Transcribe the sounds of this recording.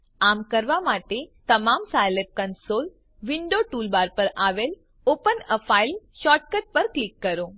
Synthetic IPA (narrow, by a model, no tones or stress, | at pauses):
amkəɾʋamaʈet̪əmamsajlep̚kənsol | ʋiɳɖoʈuːlbaɾpəɾaʋel | opənəfʰailɕɔʈ̚kəʈ̚pəɾklikːəɾo